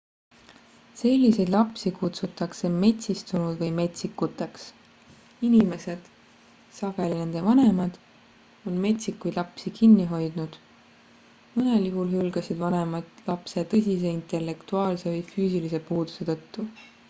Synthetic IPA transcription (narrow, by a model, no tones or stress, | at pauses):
se̞lʲːise̞jd̪lɑpsikut̪sut̪ːˑɑkse̞me̞t̪ʲsist̪unud̪̥vɤjme̞t̪ʲsikːut̪ːˑeks | inime̞se̞d̪̥ | sɑɡ̥e̞line̞nd̪̥e̞vɑne̞mɑd̪̥ | o̞nme̞t̪ʲsikːujd̪lɑpsikinːiɦo̞jd̪̥nud̪̥ | mɤne̞ljuɦulɦylɡ̥ɑsid̪vɑne̞mɑt̪lɑpset̪ɤsʲis̬e̞int̪ˑe̞lːe̞kt̪uɑːlse̞vɤjfyːsilise̞puːd̪̥u̥se̞t̪ɤ̞t̪ːu